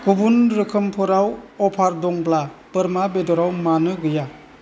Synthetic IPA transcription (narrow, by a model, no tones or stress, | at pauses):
kubunɾɯkʰɯmpʰɔɾawɔpʰaɾdɔŋblapɯɾmabedɔɾawmanɯɡɯja